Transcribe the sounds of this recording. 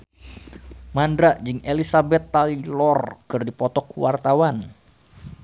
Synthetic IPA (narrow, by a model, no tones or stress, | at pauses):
mandɾaʔd͡ʒɨŋelisabɛt̪ːalilɔrkɨrdipɔt̪ɔkuwart̪awan